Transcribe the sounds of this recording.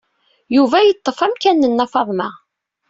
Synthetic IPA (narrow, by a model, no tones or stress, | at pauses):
juvæjət̪ˤːəfæmkænːənːɑfɑðˤmæ